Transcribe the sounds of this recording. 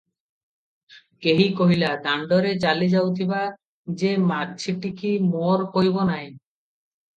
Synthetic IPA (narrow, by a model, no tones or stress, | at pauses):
keɦikoɦilad̪aɳɖoɾet͡ɕalid͡ʑawt̪ʰiba | d͡ʑemad̚t͡ɕʰiʈikimoɾkoɦibonaj